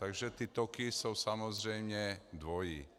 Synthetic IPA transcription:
t̪aɡʒɛt̪iːt̪ɔkisuwsamɔzɾɛjmɲɛd̪ʋɔjḭ

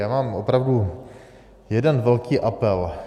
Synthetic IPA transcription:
jaːmaːmopɾavdu | jɛdɛnvɛlkiːʔapɛl

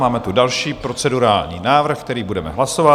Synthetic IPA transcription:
maːmɛt̪udalʃiːpɾo̞t͡sɛduɾaːlɲḭːnaːvr̩xk̚t̪ɛɾiːbudɛmɛ̰ɦlaso̞va

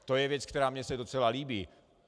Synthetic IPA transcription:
t̪o̞jɛvjɛt͡sk̚t̪ɛɾaːmɲɛsɛdot͡sɛlaliːbiː

